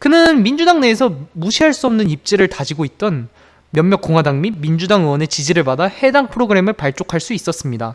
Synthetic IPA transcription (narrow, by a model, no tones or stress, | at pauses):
kɯnɯnmind͡ʑudaŋneːsʰʌmuɕʰiɦaɭs͈uʌmnɯnip̚t͡ɕ͈eɾɯɭtad͡ʑiɡoit̚t͈ʌn | mjʌmmjʌk͈oŋɦwadaŋmimind͡ʑudaŋɯwʌne̞t͡ɕid͡ʑiɾɯɭpadahe̞daŋpʰɯɾoɡɯɾe̞mɯɭpaɭt͡ɕ͈okʰaɭs͈uis͈ʌs͈ɯmɲida